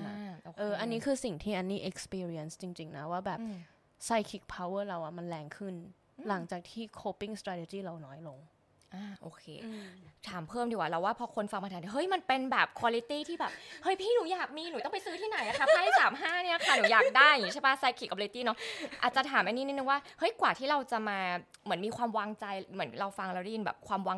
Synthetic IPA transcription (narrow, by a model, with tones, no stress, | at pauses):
a˧˩˧o˧ʔɤː˧ʔa˧nːiː˦˥kʰɯː˧si˨˩ŋt̪ʰiː˥˩ʔa˧nːiː˥˩ʔe˧˦k̚spiː˧ɾi˧˥ɛ˧nst͡ɕi˧ŋt͡ɕi˧ŋna˦˥waː˥˩bɛː˨˩p | sa˧˥jkʰi˨˩k̚pʰa˧wɤː˥˩ɾa˧wʔa˨˩ma˧nlɛː˧ŋkʰɯ˥˩n | la˩˦ŋt͡ɕaː˨˩k̚t̪ʰiː˥˩kʰoː˦˥pi˥˩ŋst̪ɾaː˧t̪ʰe˧t͡ɕiː˥˩ɾa˧wnɔː˦˥jlo˧ŋ | ʔaː˧˩ʔoː˧˩kʰḛː˧t̪ʰaː˨˩˦mpʰɤː˥˩mdi˧˩waː˨˩ɾla˧˩waː˥˩pʰɔ˧kʰo˧nfa˧ŋma˧t̪ʰaː˨˦nʰi˥˧˩ɦɤ˦˥jma˧npe˧nbɛː˨˩p̚kʰwaː˧li˧˦˥t̪iː˥˩t̪ʰiː˥˩bɛː˨˩p̚hɤ˦˥jpʰiː˥˩nuː˨˩˦jaː˨˩k̚miː˧nuː˨˦t̪ɔ˥˩ŋpa˧jsɯː˦˥t̪ʰiː˥na˨˩˦jla˧tʰa˧˦˥pːaː˥˩a˥saː˩˦mɦaː˥˩ni˥˩la˨˩kʰa˧˥˩nuː˨˩˦jaː˨˩k̚da˥˩jŋi˦t͡ɕʰːba˦˥˩sa˧˦˥kʰiː˨˩kːɔ˧plt̪iː˥˩nɔ˦˥ʔaː˨˩t̪̚t͡ɕa˨t̪ʰaː˩˦mʔa˧niː˦˥ni˦˥nɯ˧ŋwaː˥˩hɤ˦˥jkwaː˨˩t̪ʰiː˥˩ɾa˧wt͡ɕa˨˩maː˧ | mɯ˩˦ənmiː˧kʰwaː˧mwaː˧ŋt͡ɕa˧jmɯ˩˦ənɾa˧wfa˧ŋɾa˧wdɛ˥˩ji˧nbɛ̰˨˩p̚kʰwaː˧mwaː˧ŋ